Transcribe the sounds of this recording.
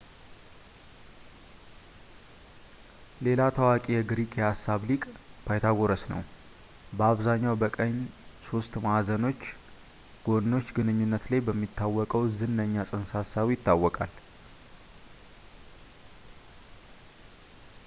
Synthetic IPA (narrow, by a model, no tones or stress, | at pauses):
le̞lat̪ʰəwakʼijɛɡɾikʰhasːaβlikʼbʰajt̪ʰaɡoɾəsnə̰w | bəaβzaɲːawbəkʼəɲːso̞st̪maazəno̞t͡ʃː | ɡ̥o̞d̪no̞t͡ʃːɡɨnɨɲːunːət̪lajbəmːit̪ːawːɔkʼəwzɨnːəɲːasʼɨnsasːaβjɪt̪ːawːɔkʼal